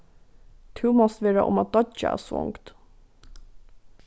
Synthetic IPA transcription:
t̪ʰʉːmɔst̪ʋeːɾɑʔʊ̰mɑt̪̚d̪ɔt͡ʃə̰æ̰ːsʋɔ̰ŋkt̪

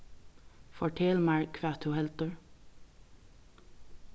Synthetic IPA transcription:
fɔʈʰɛlmɑɹkʰʋæːt̪ʰʊhɛlt̪əɹ

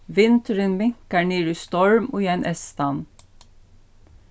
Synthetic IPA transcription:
ʋɪnt̪əɾɪnmɪŋkæɳiːɹʉst̪ɔɹmoːjænʔɛst̪ɑn

